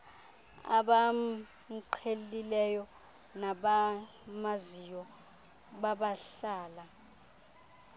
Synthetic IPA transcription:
a̰ɓa | ǃʰelilɛjɔ | naɓa | mazijɔ | ɓaɓaɬaːla

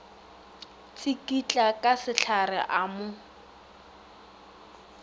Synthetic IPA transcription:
t͡sʰikʼit͡ɬʼakʼasɪɬʰarɪ̰ʔaːmʊ

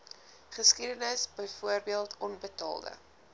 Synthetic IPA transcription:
χəskidənəsbəjfuərbiəlˠtʰɔnbətɑ̰ːlˠdə̰

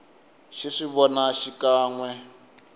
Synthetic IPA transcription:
ʃiʂiβɔnaʃikʼaːŋwɛ

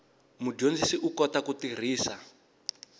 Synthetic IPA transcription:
mud͡ʒond͡zisiʔukɔtakutir̤iːsa

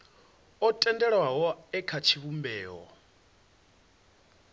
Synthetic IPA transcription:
ɔtʼɛndɛɺwaɦɔɛkʰat͡ʃʰiβumbɛːɦɔ̰

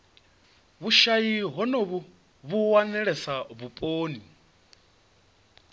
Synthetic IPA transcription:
βuʃajiɦɔnoβu | βuwanɛɺɛsaβupʼoːni

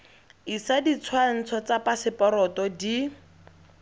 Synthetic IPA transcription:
isadit͡sʰwan̩t͡sʰɔt͡sapasɪpɔɾɔtɔdi

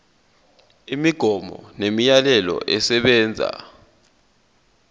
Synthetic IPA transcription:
imiɡ̥ʱɔmɔnemijalɛlɔ̰ʔɛsɛɓɛːnd͡zʱa̰

